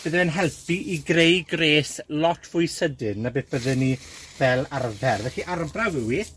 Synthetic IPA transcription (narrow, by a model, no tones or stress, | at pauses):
b̥əðəvɛnɦɛlˠpʰiʔiɡrejɡreːslɔtʰv̥ʊjsədɨnːabeːθb̥əðɨnivɛlˠarvɛrvɛɬiʔaɾbrawɪwiːθ